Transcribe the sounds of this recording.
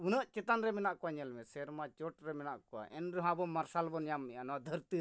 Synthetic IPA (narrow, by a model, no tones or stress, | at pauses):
unəʔt͡ʃɛt̪anɾɛmɛnaʔkɔwaɲɛlmɛsɛɾmat͡ʃɔʈɾɛmɛnaʔkɔwa̰ʔɛnɾɛɦãbɔmːaɾsalbɔnjamːɛʔanɔad̪ʱəɾt̪i